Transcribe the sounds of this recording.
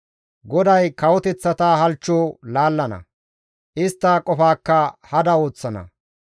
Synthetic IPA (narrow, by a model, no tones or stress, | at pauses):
ɡɔd̪ɐjkɐwɔt̪ɛt͡sːɐt̪aːɦɐlt͡ʃːoːlaːlːɐnɐ̰ | ʔɪst̪ːakʼɔfaːkːɐhɐd̪ɐo̞ːt͡sːɐnɐ̰